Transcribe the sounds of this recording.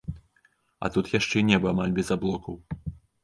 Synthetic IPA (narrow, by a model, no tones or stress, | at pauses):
ɐ̰t̪ut̪jaʂt͡ʂɛnʲɛbɨamalʲbʲɛzablˠɔkɐw